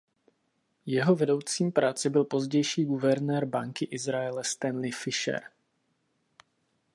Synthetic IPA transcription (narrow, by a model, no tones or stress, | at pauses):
jɛɦo̞vɛdo̞wt͡siːmpɾaːt͡sɪbɪlpo̞zɟɛjʃiːɡuvɛɾnɛːɾbaŋkɪʔɪzɾaɛlɛst̪ɛnlɪfɪʃɛ̰ɾ